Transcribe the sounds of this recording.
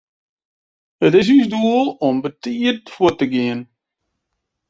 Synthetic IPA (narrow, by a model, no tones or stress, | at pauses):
ətɪs̬ysduəlˠɔmbətiərtfuətəɡiən